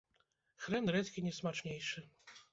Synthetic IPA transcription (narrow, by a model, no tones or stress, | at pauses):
xɾɛnrɛt̪kʲinʲɛsmat͡ʂnʲejʂɨ